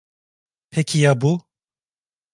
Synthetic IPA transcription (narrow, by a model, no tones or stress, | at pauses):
pʰecʰijabu